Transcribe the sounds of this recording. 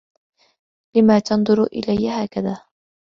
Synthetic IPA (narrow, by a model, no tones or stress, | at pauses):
lɪmaːt̪ɑnðˤʊɾʔɪ̰lajːahaːkaðaː